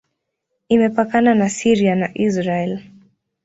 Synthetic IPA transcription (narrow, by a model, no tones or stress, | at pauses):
imɛpakananasiɾianaʔizɾaɛl